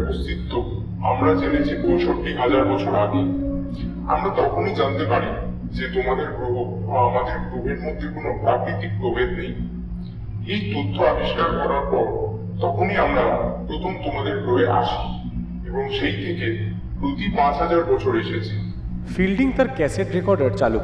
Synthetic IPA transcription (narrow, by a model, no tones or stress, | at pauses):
post̪it̪ːo | a̰mɾad͡ʑelet͡ɕʰipoʃʰoʈːiɦad͡ʑaɾbɔt͡ɕʰoɾaɡe | a̰mɾat̪ɔkʰonid͡ʑant̪epaɾi | d͡ʑet̪omad̪eɾbo | amad̪eɾpɾobeɾmod̪ʱːekonopɾaɡnit̪ik̚pɾobʱed̪nej | ejt̪ot̪ʰːoabiʃkaɾkɔɾaɾpɔɾ | t̪ɔkʰoniamɾapɾot̪ʰomt̪omad̪eɾbɾobeʔa̰ʃi̥ | eboŋʃejt̪ʰeke | pɾot̪ipãt͡ɕɦad͡ʑaɾbɔt͡ɕʰoɾeʃet͡ɕʰi | filɖiŋt̪aɾkɛseʈɾekɔɾɖaɾt͡ɕalu